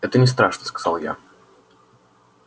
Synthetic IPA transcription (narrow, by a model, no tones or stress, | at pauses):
ɛt̪ənʲɪst̪ɾaʂnəskɐ̥zalˠja̰